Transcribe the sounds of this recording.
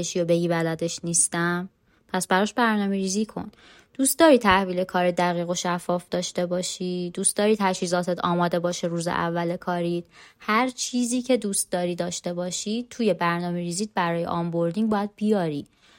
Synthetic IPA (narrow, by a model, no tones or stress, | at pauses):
eʃijobe̞ɟiːbælæd̪e̞ʃniːst̪æm | pʰæsbæɾɒːʃbæɾnɒːmeɾiːziːkʰo̞̰n | d̪̥ust̪̚d̪ɒːɾiːt̪ʰæhviːlekʰɒːɾid̪æɣiːɣo̞ʃæfːɒːfd̪ɒːʃt̪e̞bɒːʃiːd̪̥uːst̪̚d̪ɒːɾiːt̪ʰæʃhiːzɒːt̪ʰe̞d̪ʰɒːmɒːd̪e̞bɒːʃeɾuːzḛʔæ̰vːælekʰɒːɾiːd̪̥hæɾt͡ʃʰiːziːcʰe̞d̪uːst̪̚d̪ɒːɾiːd̪ɒːʃt̪e̞bɒːʃiːt̪ʰuːje̞bæɾnɒːmeɾiːziːd̪̚bæɾɒːjḛʔɒmbo̞ɾd̪iŋbɒːjæd̪̚bijɒːɾiː